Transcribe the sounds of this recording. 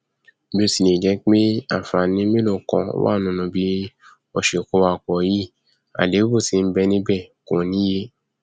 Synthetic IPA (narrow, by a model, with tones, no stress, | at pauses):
bo˧˨si˨ne˨d͡ʒɛ˨˦k͡pe˦a̰˦˨fa˨nĩ˦me˦lo˦˨kɔ̰̃˧˦wa̰˦˨nũ˨˦nũ˧˦bi˦ | ɔ˧˨ʃe˨ko˧˦wa˧˨k͡pɔ˨˦ji˦˨ | a̰˨de˨˦bo˦˨ti˧˦n̩˦bɛ˧nĩ˦bɛ˦˨ko˨˦nĩ˦je˧